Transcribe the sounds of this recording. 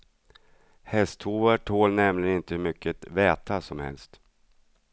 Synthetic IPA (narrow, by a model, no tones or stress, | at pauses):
hɛst̪huːvæʈʰoːlnɛmlɪɡənɪnt̪əhɵɾmʏkʰːət̪vɛːt̪ʰasɔmhɛ̰lst̪